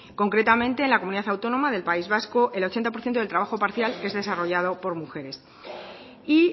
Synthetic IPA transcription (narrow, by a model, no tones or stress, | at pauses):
ko̞ŋkɾet̪amẽ̞nt̪e̞ːnlakomuniðaθawt̪o̞nõ̞maðe̞lpaizβasko̞ʔe̞lo̞t͡ʃent̪apoɾθjent̪olt̪ɾaβaxo̞paɾθjale̞zðe̞saro̞ʝað̞o̞po̞ɾmuxe̞ɾe̞s | i